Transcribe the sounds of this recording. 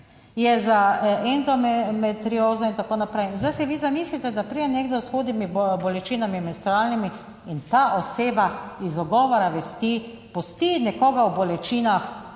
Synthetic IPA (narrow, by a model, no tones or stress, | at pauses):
jɛzaʔɛnd̪ɔmmɛt̪ɾioːzɔint̪akoːnapɾɛjnzd̪ajsɛʋizamiːslit̪ɛd̪apɾijɛneɡd̪ɔsxoːd̪nimibɔlɛt͡ʃiːnamimɛnst̪ɾɔɾalnimi | int̪aːʔɔseːbaizɔɡɔːʋɔɾaʋɛst̪i | pɔst̪inɛkɔːɡawbɔlɛt͡ʃiːnax